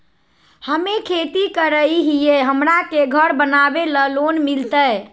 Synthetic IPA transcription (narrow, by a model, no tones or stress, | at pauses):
həmekʰet̪ikəɾəiɦijeɦəmɾakeɡʱəɾbənabeləlonmilt̪əj